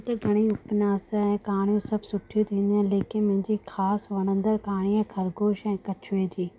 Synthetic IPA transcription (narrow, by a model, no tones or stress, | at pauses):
t̪ɐɡʱɐɽ̃iʊpnaːsɛ̃ːkaːɽ̃jũsɐbʱsʊʈʰijũt̪ʰĩːnd̪ə̃leːkɪnmʊ̃ɦɪ̃ɲd͡ʑixaːsʋɐɽ̃ə̃nd̪əɾkaːɽ̃iɛ̃kʰɐɾɡʱoːʃɛ̃ːkɐt͡ɕʰʋẽːt̪ʰiː